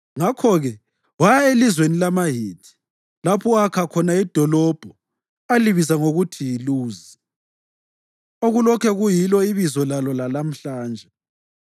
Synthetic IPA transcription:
ŋakʰɔɣɛ | wajaelizwenilamaɦiːtʰi̥ | lapʰuakʰakʰɔnaid̥ʱɔlɔb̥ʱɔ | aliβizaŋoɣutʰijiluːzi | oɣulɔkʰɛɣujilɔiβizɔlalɔlalam̩ɬaːnd͡ʒʱɛ

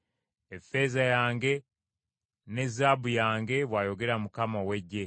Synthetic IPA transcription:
efe̞zajaːŋɡe̞ | ne̞zaːbujaːŋɡe̞βwaːjo̞ɡe̞ɾamukamawe̞ɟːe̞

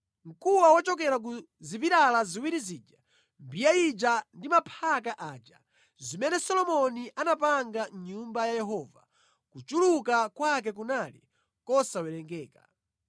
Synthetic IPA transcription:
ŋ̩kuwawɔt͡ʃɔk̬ɛɾak̬u | zipiɾalaziwiɾiziːd͡ʒa | mbijaid͡ʒandimapʰak̬aʔaːd͡ʒa̰ | zimɛnɛsɔlɔmɔniʔanap̬aŋɡanɲumbajajɛɦɔːva̰ | kut͡ʃulukakwak̬ɛk̬unalḭ | kɔsawɛlɛŋɡɛːka̰

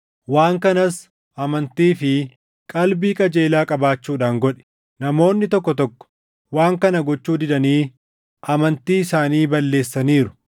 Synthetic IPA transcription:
waːŋkɐnɐs | ʔɐmɐnt̪iːfɪ | kʼɐlbiːkʼɐd͡ʒe̞ːlaːkʼɐbaːt͡ʃːuːᶑaːŋɡɔᶑɛ̥ | nɐmo̞ːnːɪt̪ɔkːɔt̪ɔkːɔ̥ | waːŋkɐnɐɡɔt͡ʃːuːd̪ɪᶑ̪ɐniː | ʔɐmɐnt̪iːɪsaːniːbɐlːe̞ːsːɐniːɾʊ̥

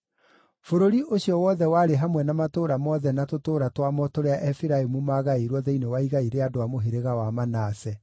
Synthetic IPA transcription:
foɾoɾiʔoɕiɔwɔðɛwaːɾeɦamwɛnamatoːɾamɔðɛnatotoːɾatwamɔtoɾeaʔɛfiɾaemumaɣaeɾwɔðɛinewaiɣaiɾeadoamoɦeɾeɣawamanasɛ

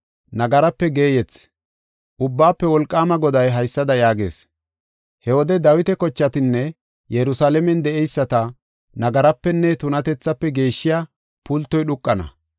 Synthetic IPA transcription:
nɐɡɐɾɐpːɛɡe̞ːjɛt͡s | ʔʊbːaːpːɛwɔlkʼːaːmɐɡɔd̪ɐjɦɐjsːɐd̪ɐjaːɡe̞̰ːs | hɛwɔd̪ɛd̪ɐwɪt̪ɛkɔt͡ʃːɐt̪ɪnːɛ | jɛɾʊsaːlɛmɛnd̪ɛʔɛjsːɐt̪ɐ | nɐɡɐɾɐpːɛnːɛt̪ʊnɐt̪ɛt͡sːɐpːɛɡe̞ːʃːɪja | pʊlt̪ːɔjɗʊkʼːɐnɐ̰

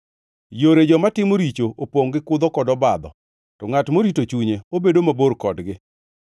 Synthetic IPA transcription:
joɾed͡ʒɔmatɪmoɾit͡ʃoʔopwoŋɡɪkʊd̪ɔkɔdɔbad̪ɔ̰ | tɔŋatmoɾitot͡ʃuɲeobedomaboɾkɔdɡɪ

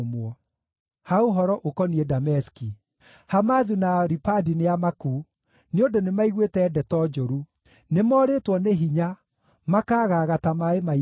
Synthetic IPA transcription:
mwɔ | haoɦɔɾɔʔokɔniɛdamɛski | hamaðunaɾipadineamakuː | neondonemaiɣwetɛːdɛtɔd͡ʒoɾu | nemɔːɾetwɔneɦiɲa | makaːɣaɣatamaema

